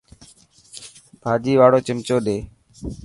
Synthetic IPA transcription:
bʱaːd͡ʒiːʋaːɽoːt͡ʃɪmt͡ʃoːɗeː

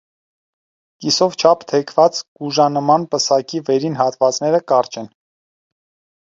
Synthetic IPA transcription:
kisɔvt͡ʃʰɑpʰt̪ʰɛkʰvɑt͡sɡ̥uʒɑnəmɑnpəsɑkivɛɾinhɑt̪vɑt͡snɛɾəkɑɾt͡ʃɛn

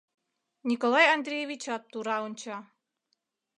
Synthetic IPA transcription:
nʲikolˠɑjand̪ɾʲejevʲit͡ɕat̪ːuɾɑunʲt͡ɕɑ

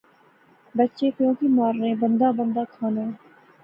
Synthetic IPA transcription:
bətːʃeːpjõːkiːmaːɾnẽːbə̃nd̪aːbə̃nd̪aːkʰaːnaː

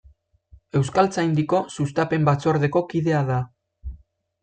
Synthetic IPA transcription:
e̞wskalt͡sajnd̪iko̞sus̬t̪ape̞mbat͡so̞aɾðe̞ko̞kiðe̞aða

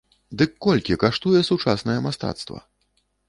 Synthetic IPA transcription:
d̪ɨkːɔlʲkʲikaʂt̪ujɛsut͡ʂasnɐjɛmast̪a̰t̪st̪vɐ̰

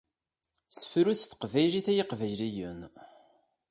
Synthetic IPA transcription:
sə̥fɾut͡sːθə̥qvæjliθæjiqvæjlijən

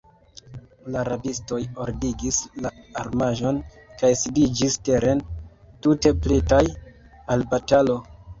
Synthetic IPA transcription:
laɾabisto̞jo̞ɾdiɡislaːɾmaʒo̞n | kajsidid͡ʒiste̞ɾe̞n | tute̞plitaj | albatalo̞

